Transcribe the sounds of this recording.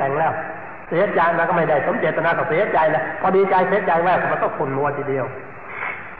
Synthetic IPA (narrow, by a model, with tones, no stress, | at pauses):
ɛ˧ŋlɛː˧˩w | si˨˦t͡ɕaː˧jmaː˧kɔ˥˩ma˥˩jda˥˩jsʰo˨˦mt͡ɕeː˨˩t̪ːa˧naː˧kɔː˧˩si˨˦˥t͡ɕa˧jlɛ˦˥pʰɔː˧diː˧t͡ɕa˧jsi˨˦˥t͡ɕa˧jwaɛː˧˥˩kɔ˧˩ma˧t̪ɔː˥˩kʰu˨˩nmu˧ɐt̪ʰiː˨˩di˧əw